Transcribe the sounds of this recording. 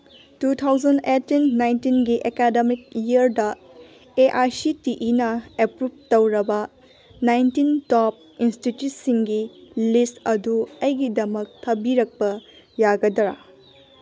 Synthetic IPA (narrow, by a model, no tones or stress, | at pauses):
tut̪ʰawd͡ʒɐndetinːajntinɡiʔekademik̚jiɐɾdɐ | eʔaɾsitiʔinɐepɾub̚tɐwɾɐbɐ | najntintɔp̚institjut̚siŋɡilistɐduɐjɡidɐmɐk̚tʰɐbiɾɐk̚pɐ | jaɡɐdɐɾa̰